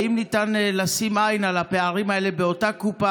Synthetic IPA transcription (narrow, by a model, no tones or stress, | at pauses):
imnitanlasimajnalape̞aʁimae̞le̞be̞o̞takupa